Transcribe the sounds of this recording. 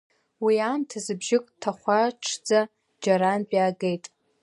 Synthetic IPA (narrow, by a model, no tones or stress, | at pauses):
wiamtʰazɨbʒɪkʼtʰaχʷaʈ͡ʂʰd͡za | d͡ʒaɾanpʼaːɡejtʼ